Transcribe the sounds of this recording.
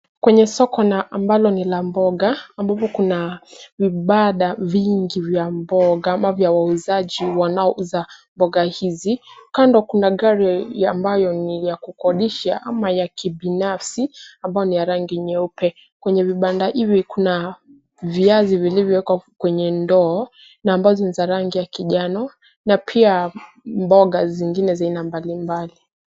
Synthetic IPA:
kwɛɲɛsɔkɔnaːmbalɔnilambɔɡaambavɔkunaviɓaɗaviŋɡivjambɔɡamavjawauzaʄiwanaɔʔuzambɔɠahizikandɔkunaɠaɾiambajɔnijakukɔɗiʃaʔamajakiɓinafsiambajɔnijaɾaŋɡiɲɛupɛ | kwɛɲɛviɓandaʔivikuna | viazivilivjɔwɛkwakwɛɲɛndɔː | naːmbazɔnizaɾaŋɡijakiʄanɔ | napʰia | mbɔɠaziŋɡinɛzainambalimbali

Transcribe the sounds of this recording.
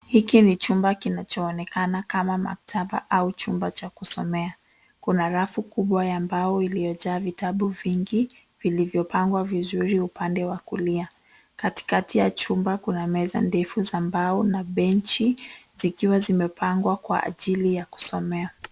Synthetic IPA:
hikinit͡ʃumbakinat͡ʃɔːnɛkanakamama̰k̚tʰaɓa̰ʔaut͡ʃumbat͡ʃakusɔmɛa | kunaɾafukuɓwajambaɔilijɔʄaːvitaɓuviŋɡi | vilivjɔpaŋɡwavizuɾiupandɛwakulia | kati̥katijat͡ʃumbakunamɛza̰ndɛfuzambaɔnaɓɛnt͡ʃizikiwazimɛpʰaŋɡwakwa̰a̰ʄilijaku̥sɔmɛa

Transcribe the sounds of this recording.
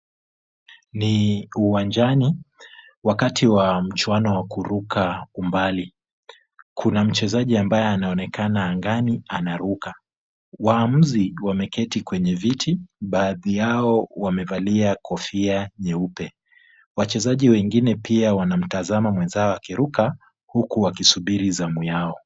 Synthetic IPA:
niuwand͡ʒani | wakatʰiwam̩t͡ʃwanɔwakuɾukaumbali | kʰunam̩t͡ʃɛzaʄiambajɛanaɔnɛkʰanaːŋɡanianaɾuka | waːm̩ziwamɛkʰɛtikwɛɲɛvitʰiɓaːðijaɔwamɛvaliakʰɔfiaɲɛupɛ | wat͡ʃɛzaʄiwɛŋɡinɛpiawanam̩tazamamwɛnzaɔakiɾuka | hukuwakisuɓiɾizamujaɔ

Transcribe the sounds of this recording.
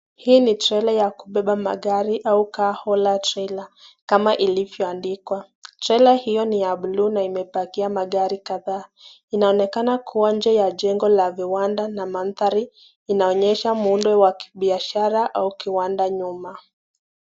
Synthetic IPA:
hiːnitɾɛlajakuɓɛɓama̰ɠaɾiʔaukaːhɔlatɾɛlakamaʔilivjɔandikwa | tɾɛlahijɔnijaɓulunaimɛpakiamaɠaɾikaðaː | inaɔnɛkanakʰuwaɲd͡ʒɛjaʄɛŋɡɔlaviwandanaman̩θaɾiː | naɔɲɛʃamundɔwaki̥ɓiaʃaɾaʔaukiwandaɲuma

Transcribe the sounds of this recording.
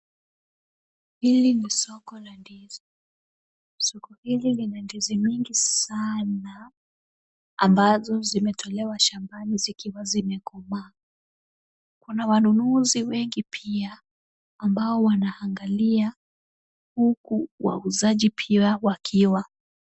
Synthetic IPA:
hilinisɔkɔlandizɔ | sɔkɔhililinandizimiŋɡisana | mbazɔzimɛtʰɔlɛwaʃambanizikiwazimɛkɔma | kunawanunuziwɛŋɡipʰiaː | mbaɔwanaaŋɡalia | hukuwa̰uzaʄipʰiawakʰiwa

